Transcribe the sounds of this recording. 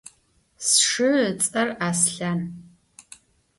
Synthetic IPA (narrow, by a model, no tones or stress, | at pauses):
sʂɨt͡sʼɐraːsɬan